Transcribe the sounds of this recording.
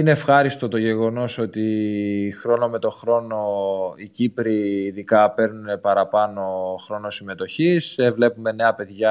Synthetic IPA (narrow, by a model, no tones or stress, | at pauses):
ineːfxɐɾist̪o̞t̪o̞ʝe̞ɣo̞no̞so̞t̪ixɾo̞no̞me̞t̪o̞xɾo̞no̞icipɾiːðikɐpe̞ɾnune̞pɐɾɐpɐno̞xɾo̞no̞sime̞t̪o̞çisevle̞pume̞ne̞ɐpe̞ðʝɐ